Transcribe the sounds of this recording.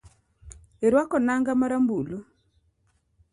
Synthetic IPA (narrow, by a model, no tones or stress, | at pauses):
eɾwakɔnaŋɡamaɾambulo